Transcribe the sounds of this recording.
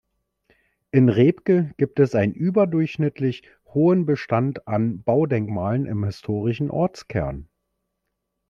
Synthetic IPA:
ʔɪnʁeːpkəɡ̥iːp̚tɛsʔaɪnənʔyːbɐdʊɐçʃnɪtʰlɪç | hoːənbəʃtantanbaʊdɛŋkmaːlənʔɪ̰mhɪstʰoːʁɪʃn̩ʔɔ̰ɐt͡skʰɛ̰ɐn

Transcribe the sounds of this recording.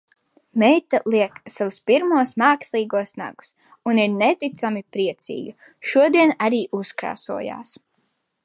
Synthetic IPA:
mɛjt̪alˠiɛksavuspiɾmuɔsmaːkslˠiːɡuɔsna̰ɡu̥s | uniɾnɛt̪it̪samipɾiɛt̪sḭːɡa | ʃuɔd̪iɛnaɾiːʔuskɾa̰ːsuɔja̰ːs

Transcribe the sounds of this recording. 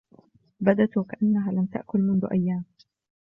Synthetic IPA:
bad̪at̪wakaʔanːaɦaːlamt̪a̰ʔkʊlmʊnðʊ̰ʔajːaːm

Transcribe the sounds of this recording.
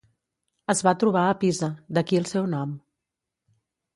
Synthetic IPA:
əzβat̪ɾuβ̞aəpizəd̪əkiəlˠsɛwnɔm

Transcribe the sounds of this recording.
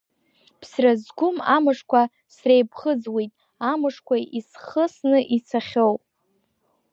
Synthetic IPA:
pʰsrazɡʷʊmamɨʂkʷʰa | srejbχəd͡zwijtʼ | amɨʂkʷʰaisχəsnɨʔit͡sʰaχʲowpʼ

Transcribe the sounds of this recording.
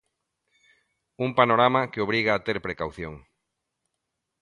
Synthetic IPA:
umpanoɾamakeoβɾiɣaːt̪eɾpɾekawθjo̰ŋ

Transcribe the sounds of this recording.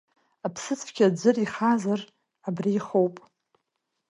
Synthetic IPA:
apʰsɨt͡sʰʼfkʲad͡ʒʷɨriχazar | abriːχowpʼ

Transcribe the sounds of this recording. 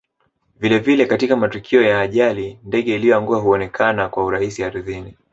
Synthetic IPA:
vilɛvilɛkatikamatukʰiɔjaːʄalindɛɠɛilijɔaŋɡuaɦuɔnɛkʰanakwauɾaisihaɾuðini

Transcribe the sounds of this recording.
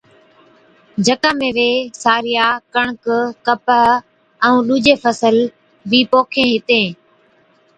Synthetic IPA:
d͡ʒʱəkãːmẽːʋeːsaːɾɪjaːkəɳ̃kkəpə | əũːɗuːd͡ʒeːfʰəsəl | ʋiːpoːkʰẽːɦɪt̪ẽː

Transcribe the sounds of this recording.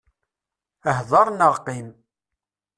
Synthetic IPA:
əɦðˤɑɾˤnəʁqim

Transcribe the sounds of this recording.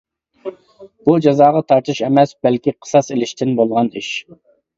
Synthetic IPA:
b̥ud͡ʒɑzɑːʁɑt̪ʰɑɾt̪ʰɨʃɛmɛsbɛlkʲiqʰə̥sɑselɪʃt̪ʰɪnbolˠʁɑniʃ

